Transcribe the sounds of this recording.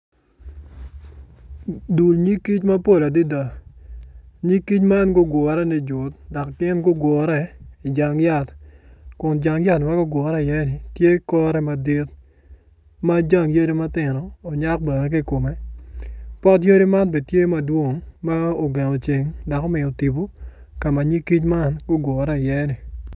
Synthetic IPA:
du˨lɲi˦kːi˦t͡ʃmɐ˦po˦˨la˨di˦da˨ | ɲi˦kːi˦t͡ʃma˦nɡʊ˦ɡwɔ˨ɾɛ˦nɪ˨d͡ʒʊ˨t̚da˨kkɪ˦nɡʊ˦ɡwɔ˨ɾɛ˦ɪ˨d͡ʒa˨ŋja˦tkʊ˨nd͡ʒa˨ŋja˦tma˦ɡʊ˦ɡwɔ˨ɾɛ˦ɪ˨jɛ˦nɪ˨tje˦kɔ˦ɾɛ˦ma˨di˦t̚ | ma˦d͡ʒa˦ŋje˦di˦ma˦tɪ˨nɔː˨ɲa˦k̚bɛ˨ɾɛ˦k̬i˦ko˨mɛ˦ | pɔ˦t̬je˦di˦ma˦nbe˨tje˦mɐ˨dwo˦ŋma˦o˨ɡe˨ŋo˨t͡ʃe˨ŋda˨ko˦mɪ˨o˨ti˨bo˦ | ka˨ma˨ɲi˦kːi˦t͡ʃma˦nɡʊ˦ɡwɔ˨ɾɛ˦ɪ˨jɛ˦nɪ˨

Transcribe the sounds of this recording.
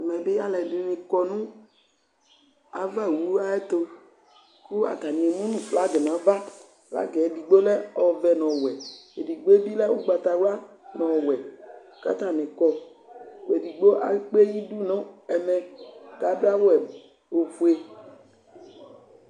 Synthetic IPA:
ɛ˨mɛ̃˨be˦a˦lɛ˨di˨nɪ̃˨kɔ˨nũ˦ | a̰˨va˦˨wu˨˦a˦ɛ˦t̪o˦ | ku˦a̰˨ta˨nĩ˨ɛ˨nũ˦nũ˨fla˨˦ɡɛ˨nã˨˦va˦ | fla̰˦ɡɛ˨e˨di˨ɡ͡bo˦lɛ˦ɔ˨vɛ˨nɔ̃˨wɛ˨e˨di˨ɡ͡bo˦e˦bi˦lɛ˦wu˦ɡ͡ba˨t̪a˨wa˦ | nɔ̃˨wɛ˨ | ka̰˦t̪a˦˨nɪ̃˨kɔ˨ | e˨di˨ɡ͡bo˦ʔa̰˨˦k͡pe˦ji˦du˦nɔ̃˦ɛ˨mɛ̃˨ka˨˦ba˦wɛ˨ | o˨vu˨e˨

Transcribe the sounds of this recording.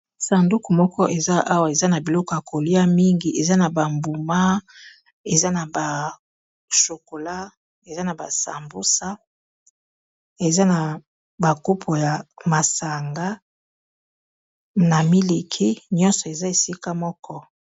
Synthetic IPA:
sa˨ndu˦ku˨mɔ˦kɔ˦ʔe˨za˦ʔa˦wa˨e˨za˦na˨bi˨lɔ˦kɔ˨ja˨ko˨li˦a˦mi˦ŋɡi˨ʔe˨za˦na˨ba˨mbu˨ma˦ | e˨za˦na˨ba˨ | ʃo˨ko˨la˦ | e˨za˦na˨ba̰˨sa̰˨mbu˦sa˦ | e˨za˦na˨ | ba˨ku˦pʰo˨ja˨ma˨sa˨ŋɡa˦ | na˨mi˦li˨kʰi˦ɲɔ̃˦nsɔ˨e˨za˦e˨si˦ka˦mɔ˦kɔ˦

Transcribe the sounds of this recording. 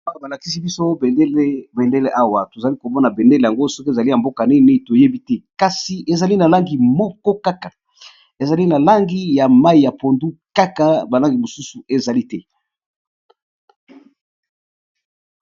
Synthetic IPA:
ba˦˨ba˨la˨ki˦si˦bi˦so˦˨˦lbe˨nde˦le˦ʔa˦wa˨to˨za˨li˦ko˨mɔ˦na˨be˨nde˦le˨ja˨ŋɡo˦so˦ke˨za˨li˦a˨mbo˦ka˨ne˦˨ne˦˨to˨je˦bi˦tɛ˦ka˨si˨ʔe˨za˨li˦na˨la˦ŋɡi˨mɔ˦kɔ˦ka˦ka˨ | e˨za˨li˦na˨la˦ŋɡi˦ja˨ma˦i˨ja˨po˨ndu˦ka˦ka˨ba˨la˦ŋɡi˨mo˨su˦su˨e˨za˨li˦tɛ˦

